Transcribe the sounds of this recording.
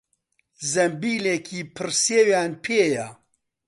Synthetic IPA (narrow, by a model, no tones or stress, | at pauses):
zɐmbiːlekʰiːpʰɨɾseːwjaːnpʰeːja